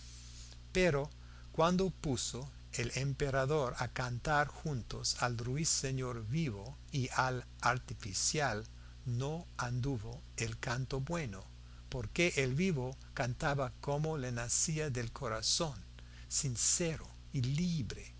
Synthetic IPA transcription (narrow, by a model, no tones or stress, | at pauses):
peɾo | kwand̪opuso | elempeɾaðoɾakant̪aɾxunt̪osalruisːeɲoɾβiβo | iʔal | aɾt̪ifisjal | noand̪uβo | elkant̪obweno | poɾkeʔelβiβo | kant̪aβakomolenasiaðelkʰoɾason | sinseɾo | iliβɾe